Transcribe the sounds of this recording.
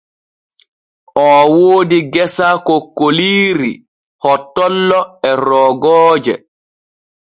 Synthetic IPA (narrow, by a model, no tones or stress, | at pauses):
ʔɔwoːdiɡɛsakɔkːoliːɾi | hɔtːɔlːɔɛɾɔːɡɔːd͡ʒɛ